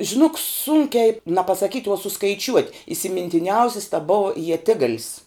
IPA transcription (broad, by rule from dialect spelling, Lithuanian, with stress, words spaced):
ʒʲɪˈnoːk ˈsʊŋʲkʲɛɪ nɐ pɐsɐˈkʲiːtʲ oː sʊskɐɪˈt͡ʃʲuɔtʲ ɪsʲɪmʲɪnʲtʲɪˈnʲɛʊsʲɪs tɐ ˈbʊɐ iɛˈtʲɪɡɐlʲɪs